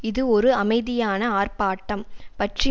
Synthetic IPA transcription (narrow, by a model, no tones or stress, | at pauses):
ɪðɯɔɾɯɐmɐɪðɪjaːnɐaːrpaːʈːɐmpɐʈrɪ